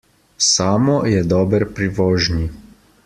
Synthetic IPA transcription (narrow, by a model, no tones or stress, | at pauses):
saːmɔjɛd̪ɔːbəɾpɾiʋɔːʒni